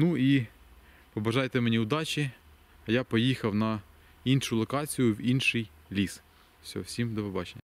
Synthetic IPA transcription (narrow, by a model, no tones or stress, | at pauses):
nui | pɔbɐʒɑjt̪emenʲiʊd̪ɑt͡ʃʲi | japɔjixɐwnɐ | inʃʊlˠɔkɑt͡sʲijʊiwinʃɪj | lʲis | sʲɔɦɔwsʲimd̪ɔʋebɑt͡ʃenʲːɐ